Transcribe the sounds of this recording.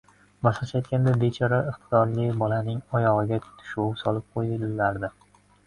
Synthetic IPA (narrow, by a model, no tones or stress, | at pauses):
bɒʃlˠaʃajt̪̚kʲand̪abet͡ʃʰɒɾaɪχt̪ʰɪd̪ɒɾlɪbɒlanɪŋɒjɒʁɨɡʲat̪ʰʊ̥ʃusɒlɪp̚qʰojd̪ɪlːaɾd̪ɪ